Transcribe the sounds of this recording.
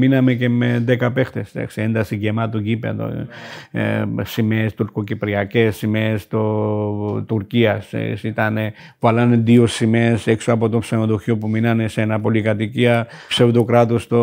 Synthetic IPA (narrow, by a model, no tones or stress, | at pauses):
minɐmece̞me̞ðekɐpe̞xt̪e̞sd̪ɐ̰ksiend̪ɐsiɡemɐt̪uɟipḛðo̰ | simeːst̪uɾkocipɾiɐce̞sːimeːst̪o | t̪uɾciɐssit̪ɐne | vɐlɐneðiosimeseksoɐpo̞t̪opsenoðoçopuminɐne̞senɐpo̞likɐt̪iciɐpseðokɾɐt̪ost̪o